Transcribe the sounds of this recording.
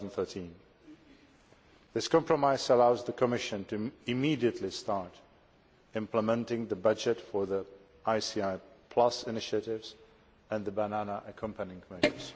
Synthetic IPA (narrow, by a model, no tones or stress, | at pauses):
nd̪θɜ˞tʰĩn | ðɪskʰɑ̃mpʰɹəmaɪzəlaʊzðəkʰəmɪʃɨ̃ntʰɨɪmidiɨtʰˡlistɑɹɾ | ɪ̃mpləmɛ̃ntɪ̃ŋðəbʌd͡ʒɨtfə˞ði | ʔaɪsiaɪpʰl̥ʌsɪnɪʃɨɾɪvz̥ | ɨ̃nðəbənænəʔəkʰʌ̃mpənɪ̃ŋkʰmɛʒə˞z̥